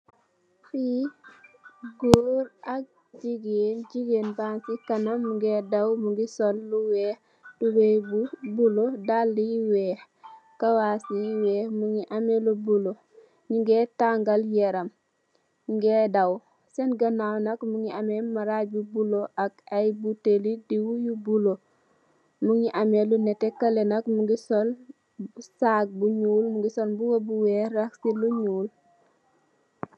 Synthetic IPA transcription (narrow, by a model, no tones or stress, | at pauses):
fi | ɡoːɾak̚ | d͡ʒiɡeːnd͡ʒiɡeːnbansikanamːuŋɡedawmuŋɡisolluwɛːh | d̥ubebubulodalːijiweːh | kawasijiwɛːhmuŋiʔamelubulo | ɲiŋɡetaŋɡaljeɾɐm | ɲiŋɡɛːdɐw | sɛnɡɐnawnɐkmuŋiɐmɛmɐɾaɟ̚bubuloʔɐkɐjbutelidiwujubulo | muŋɲiʔɐmelunɛtɛkɐlɛnɐkmuŋɡisɔl | saɡ̚buɲuːlmuŋɡisolbuɡobuwɛɾɐksiluɲuːl